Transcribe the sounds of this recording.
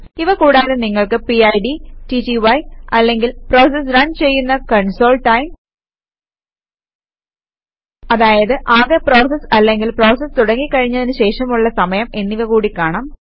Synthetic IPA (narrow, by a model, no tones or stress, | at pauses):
iʋɐkuːɽaːɾeniŋːɐɭkɨpiɐjɖititiʋɐjɐlːe̞ŋɡilpro̞ːs̬ɐs̬rɐnt͡ɕe̞jːunːɐkɐɳso̞ːlʈɐjm | ɐðaːjɐðɨʔaːðepro̞ːsɐsɐlːe̞ŋɡilpro̞ːsɐst̪uɽɐŋːikːɐɻiɲːɐðinɨɕe̞ːʂɐmuɭːɐsɐmɐjɐme̞nːiʋɐkuːɽikːaːɳaːm